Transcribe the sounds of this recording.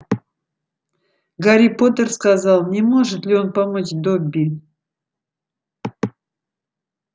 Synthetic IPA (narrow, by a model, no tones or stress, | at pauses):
ɡaɾʲipot̪ərskɑzɑlˠnʲemo̞ʐɨt̪lʲɪonpamot͡ɕd̪obʲi